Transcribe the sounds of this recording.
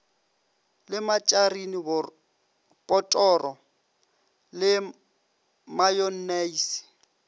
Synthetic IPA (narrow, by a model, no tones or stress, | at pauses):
lɪmat͡ʃʼarinibʊ | pʼɔtʼɔrɔ | lɪ | majɔnneis